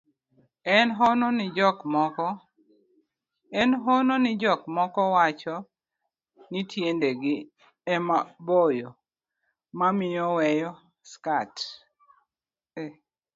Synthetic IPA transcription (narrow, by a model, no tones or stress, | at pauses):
ɛnɦɔnonɪd͡ʒɔkmɔkɔ | ɛnɦononɪd͡ʒɔkmɔkɔwat͡ʃɔ | nɪtʰjendeɡɪ | ɛmabojo | mamɪjɔwɛjɔ | skat | e